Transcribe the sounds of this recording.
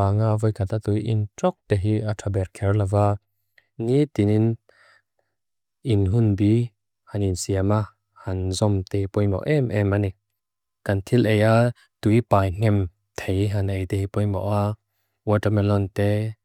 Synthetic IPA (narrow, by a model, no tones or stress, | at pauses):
aːŋavɔjkʰat̪at̪ujʔḭntɔk̚t̪ɛɦiʔatʰabɛrkʰɛrlava | ŋit̪inin | ʔinɦunbi | haninsiama | hɐnzɔmt̪ɛhipɔjmɔ̰ʔɛmʔɛmani | kɐnt̪ʰilʔeja | t̪ujpaːjŋ̥ɛm | t̪ʰejɦanejt̪ɛhipɔjmɔ̰ʔa | wɔtamɛlɔnt̪ɛ